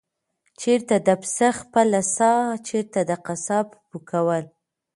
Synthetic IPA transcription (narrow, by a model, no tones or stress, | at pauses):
t͡ʃeɾt̪ad̪əpsaxpəlasɑt͡ʃeɾt̪ad̪əqasɑppukawəl